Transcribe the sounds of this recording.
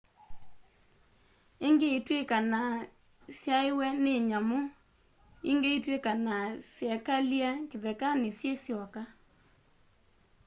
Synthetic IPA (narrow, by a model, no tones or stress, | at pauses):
eŋɡeitwekana | sjaewɛneɲamo | eŋɡeitwekanasjɛkaljakeðɛkanesjesjɔka